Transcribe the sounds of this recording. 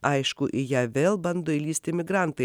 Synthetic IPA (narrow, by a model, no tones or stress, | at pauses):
ɐɪʃkʊʔɪjæːʋʲeːlˠbɐnd̪oːɪlʲiːsʲt̪ʲɪmʲɪɡɾɑˑnt̪ɐɪ